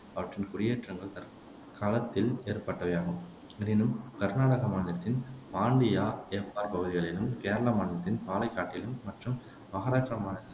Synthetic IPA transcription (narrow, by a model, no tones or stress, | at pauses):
ɐʋɐʈrɪnkʊɽɪjeːʈrɐŋɡɐɭt̪ɐɾ | kaːlɐt̪ːɪleːɾpɐʈːɐʋɐjaːɣɯm | ɐnɪnɯmkɐɾnaːɽɐɣɐmaːnɪlɐt̪ːɪnmaːɳɖɪjaːeːpaːɾpɐɣɯðɪɣɐɭɪlɯmkeːɾɐɭaːmaːnɪlɐt̪ːɪnpaːlɐɪkːaːʈːɪlɯmːɐʈrɯm | ʋɐɣɐɾaːʈrɐmaːnɪlɪl